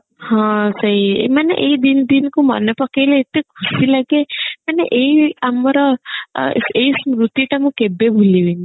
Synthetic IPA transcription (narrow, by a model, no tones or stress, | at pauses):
hãsəɦiḛmanḛʔeid̪ind̪inkumɔ̰nepɔkejleet̪ːekʰusilaɡemaneʔeiamɔɾɔ | seismɾut̪iʈamũkebebʱuliʋini